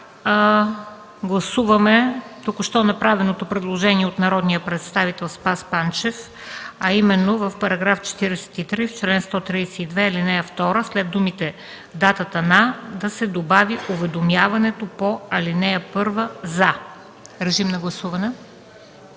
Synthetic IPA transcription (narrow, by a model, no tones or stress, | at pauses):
ɡlˠɐsuvɐmɛt̪ukʊʃt̪ɔnɐpɾavɛnot̪opɾɛd̪lˠoʒɛniɛot̪nɐɾɔd̪nijəpɾɛt̪st̪avit̪ɛlˠspaspant͡ʃɛf | ɐimɛnːovəfpɐɾɐɡɾaft͡ʃɛ̥t̪iɾɛsɛ̥t̪it̪ɾift͡ʃlɛnst̪ɔt̪ɾisɛ̥id̪vɛɐlinɛjəft̪ɔɾəslɛd̪umit̪ɛ | d̪at̪ət̪ɐnad̪ɐsɛd̪obaviʔʊvɛd̪omjavɐnɛt̪opoɐlinɛjəpɤɾvəzɐ | ɾɛʒimnɐɡlˠɐsuvɐnɛ